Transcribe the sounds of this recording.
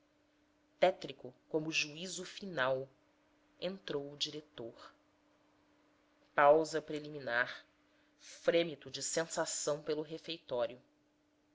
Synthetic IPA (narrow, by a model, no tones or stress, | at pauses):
t̪ɛt̪ɾikʊkõmʊʒuizʊfinaw | ẽnt̪ɾowʊd͡ʒiɾet̪oχ | pawzɐpɾeliminaɾ | fɾẽmit̪ʊd͡ʒɪsẽsasɐ̃w̃pelʊɦefejt̪ɔɾjʊ